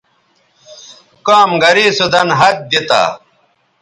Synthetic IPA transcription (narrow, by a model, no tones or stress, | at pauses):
kaːmɡɐɾiːsud̪ɐnɦɐt̪̚d̪it̪a̰ː